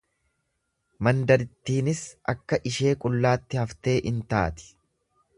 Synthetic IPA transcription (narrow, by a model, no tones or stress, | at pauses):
mɐnd̪ɐɾɪt̪ːiːnɪsʔɐkːɐʔɪʃe̞ːkʼʊlːaːt̪ːɪhɐft̪e̞ːʔɪnt̪a̰ːt̪ɪ̥